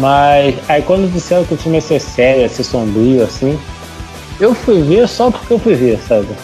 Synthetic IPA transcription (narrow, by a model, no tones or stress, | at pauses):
masaikwɐ̃nd̪ʊd͡ʒisɛɾɐ̃kɪʊt͡ʃĩmɪɛsesɛɾjʊɛsesõbɾiʊasĩ | ewfujveɾsɔpo̥ɾkeewfujveɾsabɪ